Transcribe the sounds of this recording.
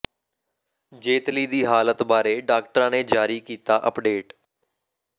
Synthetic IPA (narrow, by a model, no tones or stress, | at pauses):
d͡ʒeːt̪liːd̪iːɦaːlət̪baːɾeːɖaːkʈəɾãːneːd͡ʒaːɾiːkiːt̪aːʔəpɖeːʈ